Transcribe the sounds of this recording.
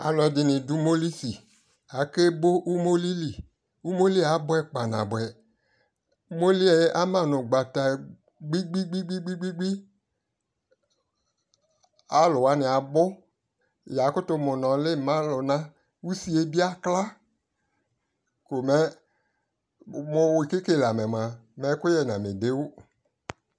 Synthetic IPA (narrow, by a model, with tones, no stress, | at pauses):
a̰˨lɔ˨ɛ˨˦dɪ˨nɪ̃˨dʊ˦mo˦li˦si˨ | a˨˦ke˦bʊ˦ʔu˦mo˦li˦li˨ | u˦mo˦li˦˨a˨˦bʊ˦ɛ˦k͡pa˨nã̰˨bʊ˨ɛ˨˦ | mo˦li˦ɛ˨jʔa˦mã˨nʊ˨ɡ͡ba˨ta˨ | ɡ͡bi˦ɡ͡bi˦ɡ͡bi˦ɡ͡bi˦ɡ͡bi˦ɡ͡bi˦ɡ͡bi˦ | a˨˦lʊ˨wa˨˦nɪ˨a˨bʊ˦ | ja˨˦kʊ˦tʊ˨˦mʊ˨nɔ˨lɪ˦˨mã˦lʊ˨nã˦ | wu˦si˦e˦bi˦a˦kla˦ | kʊ˨mɛ˦ | mʊ˨wɪ˨ke˦ke˦˨la˨mɛ˨m˨a˨mɛ˨˦kʊ˦jɛ˨nã˨mɪ˨dɪ˦wʊ˦